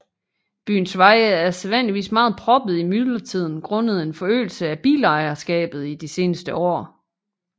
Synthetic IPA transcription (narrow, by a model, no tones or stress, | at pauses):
b̥y̰ːn̩sʋɑ̈ɪəæɐseðˠʋæn̰liʋḭːsmɑ̈ːð̞̩ˠpʰʁɒ̽b̥ð̞̩ˠimyðˠlɐt͡sʰið̞̰ˠn̩ɡ̥ʁɔ̽nəð̩ˠe̝nfɒ̽ø̰ːl̩səæb̥ḭːlɑ̈ɪɐsɡ̥ɛ̰ːb̥ð̞̩ˠid̥ise̝ːnəsd̥əʔɒ̰ː